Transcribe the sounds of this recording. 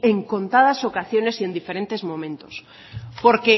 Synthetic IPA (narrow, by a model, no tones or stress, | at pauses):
eŋkõ̞nt̪að̞asokaθjonesiend̪ifeɾent̪ezmõmẽnt̪os | poɾke